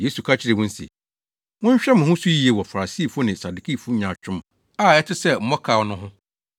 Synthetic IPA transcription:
jeː˦su˨kʰa˦t͡ɕʰɪ˦ɾɪ˨wʊ̃˦n̩˦sḛ˨ | wʊ̃˦ɲ̩˦ɕᶣɛ˦mʊ̃˨hʊ̃˦su˦ji˦e˨wɔ˨fa˨ɾa˨siː˦˨fʊ˦nɪ̃˨sa˨du˨kʰi˦˨fʊ˦ɲã˨t͡ɕᶣʰʊ̃˦m | a˦˨ɛ˦tʰɪ˦sɛ˦m̩˦mɔ̃˦kʰa˨wɔ˨˦nʊ̃˦ɦʊ̃˦

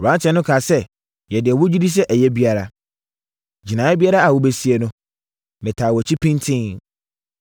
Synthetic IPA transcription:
ɔ˨bã˨˦t͡ɕʰɛ˨˦nʊ̃˦kʰa˨sɛ˦ | jɛ˨dɪ˨ɛ˨wʊ˦d͡ʑi˦di˦s̬ɛ˦ʔæ˨jɛ˦bi˦a˦ɾa˨ | d͡ʑi˨nã˨ɛ˦bi˦a˦ɾa˦a˨wʊ˦be˦si˦e˨nʊ̃˦ | mɪ̃˨tʰaː˨wɔ˨t͡ɕʰi˦pʰĩ˦n˦tʰɪ̃˦ŋ

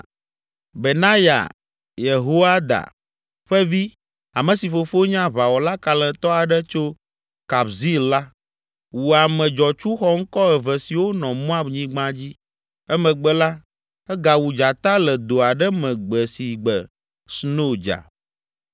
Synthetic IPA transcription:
be˨nã˦ja̰˨ | je˨ɦo˦a˦d̪a̰˨ | ɸɛ˦vi˦ | a˨mə̃˨si˨fo˨fo˦ɲã˦βa˨wɔ˨la˦ka˨lɛ̃˨t̪ɔ˦a˨ɖə˦t͡ʃo˦ | ka˨bzi˦lla˦ | wu˨a˨mɛ̃˨d͡ʒɔ˨t͡ʃu˦xɔ˦ŋ̩˦kɔ˦ɛ˨vɛ˨si˨wo˦nɔ̃˨mɔ̃˦a˦bɲĩ˦ɡ͡bã˦d͡ʑi˦ | ɛ˦mɛ̃˨ɡ͡bɛ˨la˦ | ɛ˦ɡa˨wu˨d͡ʒa˨t̪a˦lɛ˨d̪o˨a˨ɖɛ˦mɛ̃˨ɡ͡bɛ˨si˨ɡ͡bɛ˨ | sno˦d͡ʒa̰˨

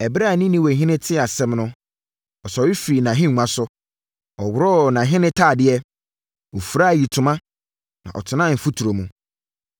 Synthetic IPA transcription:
ɛ˨bɾa˦˨nĩ˦nĩ˦wɔ˨ɦɪ̃˦nɪ̃˦tʰɪ˦a˨sɛ̃˦mnʊ̃˦ | ɔ˨sɔ˨˦i˦fɾi˨nã˨ɦɪ̃˦ŋʷ˨˦ã˨sʊ˦ | ɔ˨wʊ˨ɾɔ˦˨nã˨ɦɪ̃˦nɪ̃˦tʰaː˦˨dɪ˦ɛ˦ | wo˨fu˨ɾa˦˨ji˨tʰʊ˨mã˦ | nã̰˨ʔɔ̰˨tʰʊ˨nã˦˨m̩˨fu˦tʰu˨ɾo˨mũ˨

